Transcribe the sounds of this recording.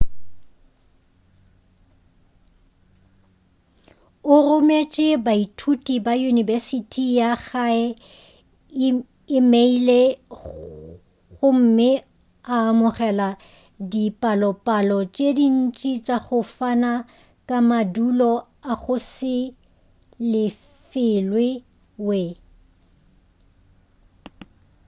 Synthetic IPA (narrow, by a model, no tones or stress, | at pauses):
ʊrʊmet͡ʃʼɪbaitʰutʼibajunibɛsitʰʼijaɣaɛ | ɪmeile | ɣʊm̩mɪ | aːmʊχɛla | dipʼalɔpʼalɔt͡ʃʼedin̩t͡ʃʼit͡ʃʼaχʊfana | kʼamadulɔ | aɣʊsɪ | lɪ | fɪlwɪ | we